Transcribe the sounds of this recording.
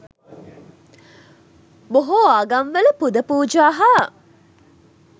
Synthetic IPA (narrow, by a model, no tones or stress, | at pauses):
boɦoːaɡanʋələpud̪əpuːd͡ʒaːɦaː